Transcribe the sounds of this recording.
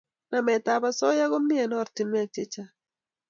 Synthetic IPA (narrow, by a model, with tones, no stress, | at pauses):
na˨mɛ˨ta˨ba˦sɔ˦ja˦ɡo˦mnɪ˦ɛ˨nɔ˦˨ɾtɪ˨mɛ˦a˨t͡ʃe˦t͡ʃa˦